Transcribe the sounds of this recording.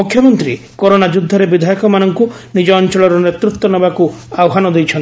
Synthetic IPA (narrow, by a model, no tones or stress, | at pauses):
ukʰjɔmɔnt̪ɾi | kɔɾonad͡ʒud̪ʱːɔɾebid̪ʱajɔkɔmanɔŋku | nid͡ʒɔːnt͡ʃɔɭɔɾɔnet̪ɾukt̪ːɔnɔbakuawɦanɔd̪ejt͡ʃʰɔnt̪i